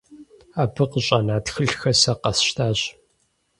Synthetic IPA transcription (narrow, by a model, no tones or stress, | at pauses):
aːbʰɨqəɕʼɐnaːtxɨɬxɐsɐqɐsʃtʰaːɕ